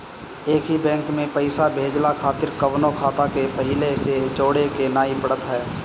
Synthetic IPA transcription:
eːkɦibɛ̃ːŋkmẽpəɪsabʱeːd͡ʒlakʰaːt̪ɪɾkəʋnokʰaːt̪akepəɦɪlesed͡ʒoːɽekenaːipəɽət̪ɦɛː

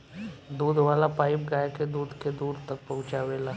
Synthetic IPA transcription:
d̪uːd̪ʋaːlapaːɪpɡaːjked̪uːd̪ked̪uːɾt̪ɐk̚pɐɦʊ̃t͡ʃaʋeːlaː

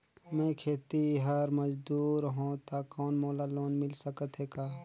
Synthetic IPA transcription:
mɛ̃kʰeːt̪iɦəɾməd͡ʒd̪uːɾɦõt̪akɔːnmoːlaloːnmɪlsəkət̪ɦeːkaː

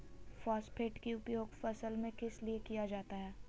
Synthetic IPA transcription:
fɔːspʰeːʈkiʊpjoːɡfɐsəlmẽkɪsliekijad͡ʒaːt̪aɦɛː

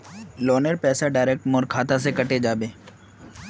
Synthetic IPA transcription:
lɔːnəɾpɛːsaɖaːɪɾeːk̚ʈmoːɾkʰaːt̪as̬ekɐʈed͡ʒaːbeː

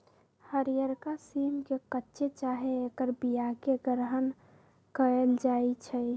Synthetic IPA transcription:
həɾijəɾkasiːmkekətːʃʰet͡ʃaɦeekəɾbijakeɡɾɦən | kəəld͡ʒaːit͡ʃʰɛ

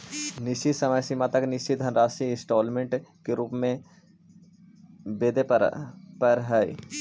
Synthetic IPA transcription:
nɪʃisɐməjsimat̪əknɪʃid̪ʱənɾaːsiɪ̃sʈoːlmẽɳʈkeɾuːpmẽ | beːd̪eppəɾɦɛj̰

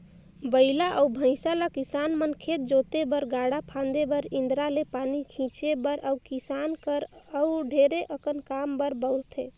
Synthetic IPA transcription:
bəɪlaʔəubʱə̃ɪsalakisanmənkʰet̪̚d͡ʒot̪ebəɾɡaɽapʰãnd̪ebəɾĩnd̪ɾalepanikʰĩt͡ʃebəɾʔəukisankəɾəuɖʱeɾeʔəkənkambəɾbəʊɾt̪ʰḛ

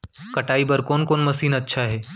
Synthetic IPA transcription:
kɐʈaːibɐɾkoːnkoːnmɐsiːnɐtːʃʰaɦɛː

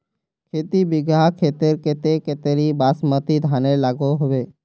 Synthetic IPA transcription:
kʰeːt̪ibɪɡʱakʰeːt̪eɾkeːt̪ekeːt̪eːɾibaːsmət̪id̪ʱaːnelaːɡoɦʊʋeː

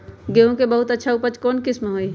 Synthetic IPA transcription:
ɡeɦũkebəɦut̪ətːʃʰaupət͡ʃkɔːnkɪsmɦoːi

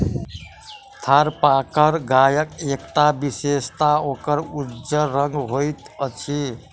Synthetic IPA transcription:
t̪ʰaɾpakəɾɡajəkekʈabisest̪aokəɾud͡ʒəɾəŋɡɦojt̪ət͡ʃʰi

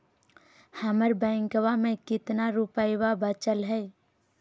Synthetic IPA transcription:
həməɾbɛ̃ːŋkəwamẽkɪt̪naɾupəjwabət͡ʃəlɦɛː

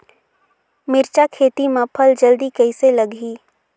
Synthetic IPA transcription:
mɪɾt͡ʃakʰeːt̪imãpʰəld͡ʒəld̪ikəɪseləɡiː

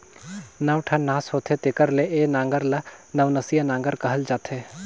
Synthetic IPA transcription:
nawʈʰɐnaːsɦoːt̪ʰet̪ekəɾleʔeːnãːŋɡəɾlɐnɐʋnɐsijanãːŋɡəɾkɐɦəld͡ʒaːt̪ʰeː

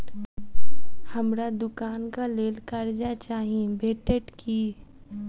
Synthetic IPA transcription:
həmɾad̪ʊkaːnkaleːlkəɾd͡ʒat͡ʃaːɦiebeːʈeʈkʰi

